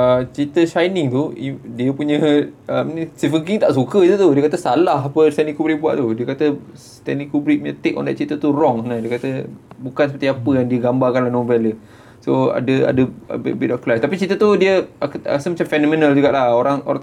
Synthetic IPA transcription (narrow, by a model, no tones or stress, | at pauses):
ət͡ʃit̪əʃajnɪŋt̪uidiəpuɲə̃əmnst̪ivənkiŋt̪aʔsukəit̪ut̪udiəkat̪əsalaɦapəst̪ɛnikubɾik̚bua̰ʔt̪udiəkat̪ə | st̪ɛnikubɾipuɲə̃t̪ekɔ̰ndɛt̪̚t͡ʃit̪ət̪urɔŋsənadiəkat̪əbukansəpət̪iapəjaŋdiəɡambarkanlahnõvɛlə | soa̰dəa̰dəə̰bbitɔfklajst̪apit͡ʃit̪ət̪udiəaka̰asəmat͡ʃamfɛnɔ̃mĩnəld͡ʒuɡaʔlahoɾaŋo̰ɾaŋ